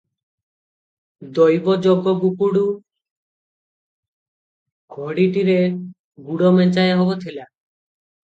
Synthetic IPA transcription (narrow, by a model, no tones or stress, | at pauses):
d̪ɔjbɔd͡ʒɔɡɔɡukuɽu | ɡʰʱɔɽiʈiɾe | ɡuɽɔmɛt͡ʃajeɦɔbɔt̪ʰila